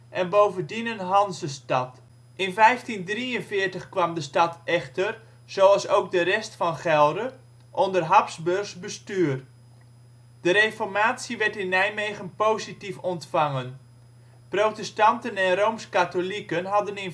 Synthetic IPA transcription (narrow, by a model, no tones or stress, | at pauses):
ʔɛnbowvəndinənɦɑnzəstɑt | ʔɪnfɛjftindriənfɪːrtəχkʋɑmdəstɑtʰɛχtər | z̥owɑlˠsowk̚dərɛstfɑnχɛlˠdə | ʔɔndərɦɑpsbørszbəstyːr | d̥əɾejfɔrmaːtsiʋɛɹtɪnːɛjmejɣənpowzitifɔntfɑŋən | prowtɛstɑntənɛnromskatolikənɦɑdənɪn